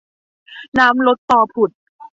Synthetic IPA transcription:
naː˦˥mlo˦˥t̪ːɔː˨˩pʰu˨˩t̪̚

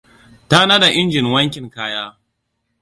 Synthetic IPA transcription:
ta˦na˦da˨ʔɪ˦nd͡ʒɪ˨nwɐ˦ŋkʲɪ˨ŋkaː˦jaː˦

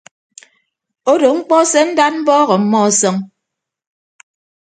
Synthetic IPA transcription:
o˦do˨ŋ͡m̩˦k͡pɔ˦sɛ˦n̩˦da˦t̚m̩˦bɔː˦ɣɔ˨m̩˦mɔ˦˨sɔ˦ŋ

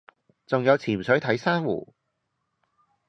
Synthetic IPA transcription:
t͡sʊ˨ŋjɐ˨˧wt͡sʰiː˨˩msɵ˨˥jt̪ʰɐ˨˥jsaː˥nwṵː˨˩

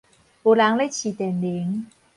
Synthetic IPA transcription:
o˨˦la˨˧˦ŋle˦˥˦t͡ɕʰi˨˩t̪ɛ˨˩nli˨˦ŋ

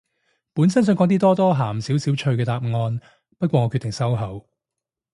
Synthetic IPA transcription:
puː˨˥nsɐ˥nsœ˨˧ŋkɔː˨˥ŋt̪iː˥t̪ɔː˥t̪ɔː˥ɦaː˨˩msi˨˥wsiː˨˥wt͡ʃʰɵ˧ɥkɛː˧t̪aː˧p̚ŋɔː˧n | pɐ˥t̚kwɔː˧ŋɔː˨˧kʰy˧t̪ɪ˨˩ŋsɐ˥wɦɐ˨˥w

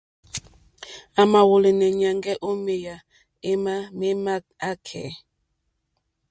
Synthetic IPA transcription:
a˨ma˨wo˨le˨nɛ˨ɲa˨ŋɡɛ˦ʔo˦me˨ja˨ | e˦ma˦me˦ma˦ | a˦kʰɛ̰ː˨

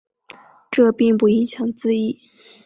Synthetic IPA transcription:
ʈ͡ʂɤ˥˧pi˥˧ŋpu˥˩i˧˥ŋɕjɑ˨˧˩ŋt͡sɹ̩˥˧i˥˩

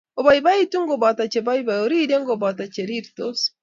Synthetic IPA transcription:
o˨βa˨iba˦i˦tu˦ŋ˦ɡo˨ba˨ta˨t͡ʃe˨ba˦iba˨jo˨ɾi˦de˦ŋɡo˨ba˨ta˨t͡ʃe˨ɾi˦ɾito˦s

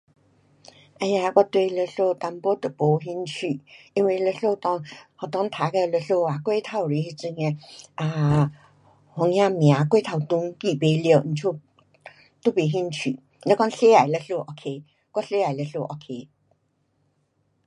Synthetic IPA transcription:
ʔa˧ja˧ka˦t̪we˧˨lə˧˨ɬo˥˧t̪a˧mpɔ˦t̪ə˨˩po˨˧˦ɦi˦˥nt͡ɕʰy˨ʔi˦nwi˧˨lə˧˨ɬo˥˧t̪ɔ˧˦ŋhɔ˨˩t̪ɔ˧˦ŋ˦t̪ʰa˨˧kə˧˨lə˧ɬo˥˧a˨kwe˥˦t̪ʰa˧˨wɾi˨˦hi˧t͡sɨ˧ŋe˧˨ʔa˧˨ | hɔ˨˧˦ŋjã˧mj̃ã˨˦kwe˥˦t̪ʰa˧˩wt̪u˧˦ŋki˧˨pe˧ljə˧˨n̩˨t͡ɕʰu˥˧˨ | t̪u˦pe˧˨ɦi˦˥nt͡ɕʰy˨ | lə˧˦kɔ˥˦ŋɬe˦a˨jlə˧ɬo˥˧ʔo˧kʰe˧˦ | kwa˥˦ɬe˦a˨˩jlə˧ɬo˧ʔo˧˩kʰe˧˦

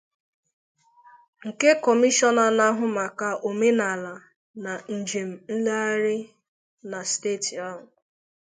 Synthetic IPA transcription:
ŋ̩˨ke˦kɔ˨mi˦ʃɔ˦na˨na˦ɦʊ˨ma˨ka˨ʔo˨me˦na˨la˨ | na˨n̩˨d͡ʒe˨m̩˨n̩˦la˦a˦ɾɪ˦ | na˨steː˦˨ti˨ɔ˦ɦʊ˨

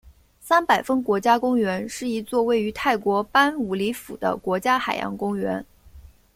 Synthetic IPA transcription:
sa˥npa˨˩ɪfə˥ŋkwɔ˧˥t͡ɕja˥kʊ˥ŋɥɛ˧˥nʂɻ̩˥˩i˧˥t͡swɔ˥˧we˥˩ɪy˧˥t̪ʰa˥˩ɪkwɔ˧˥pa˥nu˧˥li˧˥fu˨˩d̪ə̰˦kwɔ˧˥t͡ɕja˥xa˨˩ɪjɑ̰˧˥ŋkʊ˥ŋɥɛ̰˧˥n

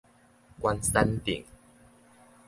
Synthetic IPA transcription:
kwa˦nsa˦nt̪ḭ˨˩ŋ

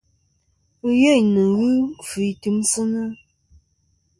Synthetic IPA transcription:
jə˦˨ɲnə˨ɣɨ˦fʉ˨˦tɨ˦msɨ˦nə˦

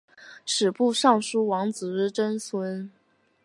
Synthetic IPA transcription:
ʈ͡ʂʰɻ̩˨˩pu˥˧ʂɑ˥˩ŋʂu˥wɑ˧˥ŋt͡sɹ̩˨˩ɻɻ̩˥˩ʈ͡ʂə˥nswə˧˥n

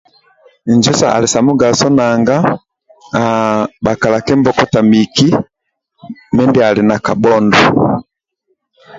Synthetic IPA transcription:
nd͡ʒɛ˦sa̰˨a̰˨li˨sa˨mu˦ɡa˨sɔ˦na˨ŋɡa˦ | a˨ba˨ka˨la˨kɛ˦mbɔ˦kɔ˦ta˨mi˨ki˦ | mɛ˦ndɛ˦a˨li˨na˨ka˨bɔ˦ndɔ˨

